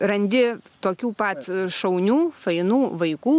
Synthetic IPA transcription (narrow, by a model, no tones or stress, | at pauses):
rɐnʲd̪ʲɪt̪oːkʲuːpɐt̪ʃɐʊnʲuːfɐɪnuːʋɐɪkuː